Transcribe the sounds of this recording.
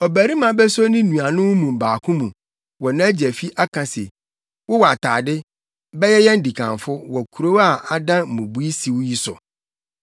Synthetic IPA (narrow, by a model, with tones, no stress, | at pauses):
ɔ˨bæ˨ɾi˦mã˨bɛ˦so˦nɪ̃˦nũ˨a˨nʊ̃˦wʊ˦mũ˨m̩˨baː˨kʰʊ̃˦mũ˨ | wɔ˨nã˦d͡ʑɛ˨fi˦ʔa˦kʰã˨sḛ˨ | wʊ˦wa˨tʰa̰ː˨dɪ˦ | bɛ˦jɛ˦jɛ˦n̩˦di˨kʰã̰˨ɱfʊ˦wɔ˨kʰu˨ɾo˦wa˨a˨dã˦m̩˨mũ˨bu˦i˦si˨wʊ˦ji˦sʊ̰˨